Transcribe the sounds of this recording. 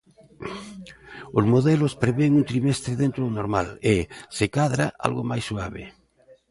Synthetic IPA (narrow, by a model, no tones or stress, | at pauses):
ozmoðɛlospɾeβeŋunt̪ɾimest̪ɾeðẽnt̪ɾoðonoɾma̰lesekaðɾaa̰lɣomajsːuaβḛ